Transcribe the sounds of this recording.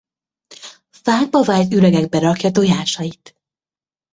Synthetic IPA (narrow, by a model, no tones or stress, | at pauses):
faːɡ̚bɒvaːjt̪ylɛɡɛɡ̚bɛɾɒkjɒt̪oːjaːʃɒjit̪